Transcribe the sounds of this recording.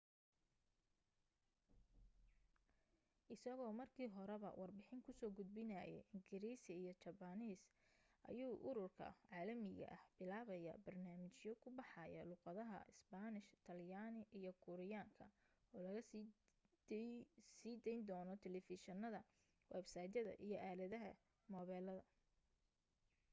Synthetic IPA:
ʔɪsɐɣɔːmɐrkʰiːɦɔɾɛβɐ̰wɑrbɪħɪŋkʰʊsɔːɡʊd̪̚bɪnæjɛ̰ʔɪŋɡɪɾiːsɪijɞt͡ʃɐbɐniːsʔɐ̰juːʔʊɾʊrkʰɐ̰ʕɑːlɐmɪɣɐ̰ʔɐhb̥ɪlaːβɐjɐ̰bɐrnaːmɪt͡ʃjɔkʰʊbɑħɑjɐ̰lʊqɑðɐɦɐ̰ʔɪsbanɪʃt̪ʰɐljaːnɪʔijɞkʰʊɾɪjaːŋkʰɐ | ɔːlɐɣɐ | siːd̪ɛjnd̪ɔːnɔt̪ʰɛlɛfɪʃɐnɐðɐ | wɛbsɑːjd̪ɐðɐ̰ʔijɞʔaːlɐðɐɦɐ | mɔːβɛːlɐðɐ

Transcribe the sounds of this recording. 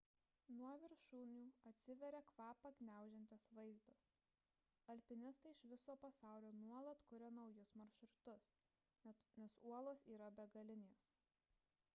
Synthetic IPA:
nuɔʋʲɪɾʃuːnʲuːɐt̪ʲsʲɪʋʲɛɾʲekʋɑːpɐɡnʲæˑʊʒʲɛnʲt̪ʲɛsʋɐɪzd̪ɐs | ɐlʲpʲɪnʲɪst̪ɐɪɪʃʋʲɪsoːpɐsɑˑʊlʲoːnuɔlˠɐt̪kʊɾʲɛnɒʊjʊsmɐɾʲʃɾʊt̪ʊs | nʲɛsuɔlˠoːsiːɾɐbʲɛɡɐlʲɪnʲeːs

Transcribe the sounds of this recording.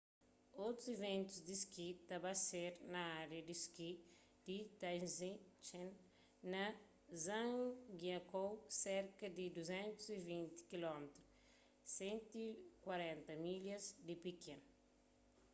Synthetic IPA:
owt̪ɾuzivẽnt̪uzd̪iskit̪ɐbaseɾnɐaɾjɐd̪iski | d̪̥it̪ãzĩt͡ʃen | nɐ | zãɡjɐkowseɾkɐd̪id̪uzɛ̃nt̪uzivĩnt̪i̥kilɔmet̪ɾu | sẽnt̪ikwɐɾɛ̃nt̪ɐmilɐzd̪ipikẽnu

